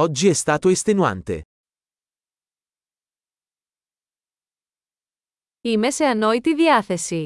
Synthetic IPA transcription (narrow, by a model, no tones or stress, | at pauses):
ɔd͡ʒːiɛst̪aːt̪oest̪enua̰nt̪ḛ | imeseɐnoit̪iðiɐθesi